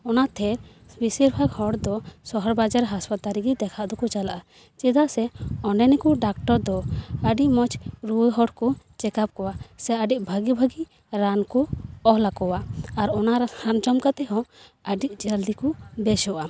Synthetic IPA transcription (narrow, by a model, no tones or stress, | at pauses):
ɔnat̪ʰɛɾ | bisiɾbʱaɡhɔɽd̪ɔsɔɦɔɾbad͡ʒaɾɦaspat̪aɾiɡid̪ɛkʰaʔd̪ɔkɔt͡ʃalaʔa | t͡ʃɛd̪aʔsɛɔnɖɛnikɔɖakʈɔɾd̪ɔəɖiʔmɔt͡ʃɾujɦɔɽkɔ | t͡ʃɛkap̚kɔwasɛəɖiʔbʱaɡibʱaɡi | ɾankɔɔɦlakɔwaːɾɔnaɾhand͡ʒɔmkat̪ɛɦɔ̃əɖiʔd͡ʒəld̪ikɔbɛsɔʔa